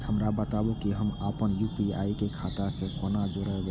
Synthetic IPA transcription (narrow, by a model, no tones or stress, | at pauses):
həmɾabət̪abukiɦəmaːpənjuːpia̰ːikekʰaːt̪asẽkoːnad͡ʒoɾəɦeɡ